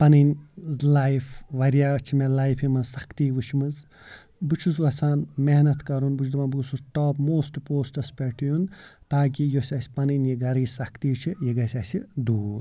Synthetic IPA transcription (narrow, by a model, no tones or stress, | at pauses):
pɐninʲzlajfʋɐɾjaːt͡ʃʰimelaːjpʰimɐsɐkʰt̪iːʋut͡ʃʰmɨz | but͡ʃʰusʋɐsʰaːnmeɦnɐt̪kɐɾunbud͡ʒd̪uʋaːnbuɡsusʈaːpmoːsʈpoːsʈɐspʲeʈjunt̪aːk̬ijosʲɐsʲpɐninjiɡɐɾiːsɐkt̪iːt͡ʃʰijeɡɐsʲɐsid̪uːɾ